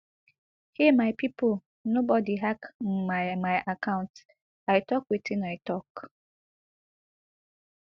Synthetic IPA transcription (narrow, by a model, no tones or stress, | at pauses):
himaɪpipol | nobɔdiɦakm̩maɪmaɪʔakaʊ̃nt | aɪtɔkwitʰinaɪtɔk